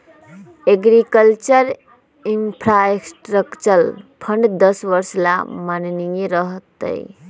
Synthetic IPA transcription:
eɡɾikəlt͡ʃəɾ | impʰɾaeksʈɾəkt͡ʃəlpʰəɳɖd̪əsʋəɾsla̰mannijeɾəɦt̪ːə̰j

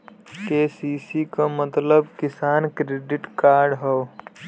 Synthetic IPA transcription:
kesiːsikamət̪ləbkɪsaːnkɾeːɖɪʈkaːɾɖɦɛ

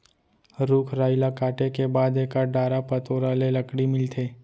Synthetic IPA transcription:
ɾuːkʰɾaːɪlakaːʈekebaːd̪ekaɖaːɾapɐt̪oːɾalelɐkɽimɪlt̪ʰeː

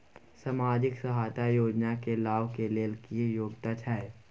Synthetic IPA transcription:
samaːd͡ʒɪksɐɦaːt̪ajoːd͡ʒnakelaːʋkeleːlkijoːɡt̪at͡ʃʰae

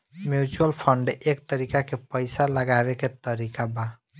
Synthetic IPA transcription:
mjut͡ʃuəlpʰəɳɖʔek̚t̪əɾikakepəjsaləɡabeket̪əɾikaba

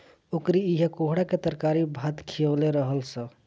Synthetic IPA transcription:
okɾiiɦekoɦɽaket̪əɾkaɾibʱat̪kʰiəleɾəɦəlsə̃

